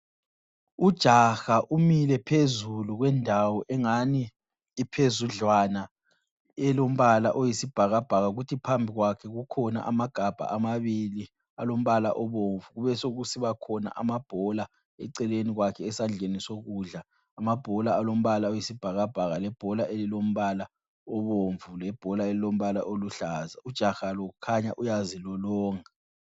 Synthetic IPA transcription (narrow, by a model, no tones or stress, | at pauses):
ud̥ʒ̥ʱaxaʔumilɛpʰezuluɣwɛndʱawɔʔɛŋaniː | pʰezuɮwana | ɛlom̩βalaʔojisib̥ʱaɣab̥ʱaɣaɣutʰipʰambʱiɣwakʰɛɣukʰɔna̰ʔamaɡ̥ʱab̥ʱa̰ʔamaβili | alom̩βala̰ʔɔβoɱvuɣuβɛsoɣusiβakʰɔna̰ʔa̰mab̥ʱɔla | ɛǀɛleniɣwakʰɛːsand͡ɮʱenisoɣuɮaː | mab̥ʱɔlaːlom̩βalaojisib̥ʱaɣab̥ʱaɣalɛb̥ʱɔlaʔelilom̩βala | ɔβoɱvulɛb̥ʱɔlaelilom̩βalaʔoluɬaːzaud̥ʒ̥ʱaxaloɣukʰaɲa̰ʔujazilɔlɔːŋa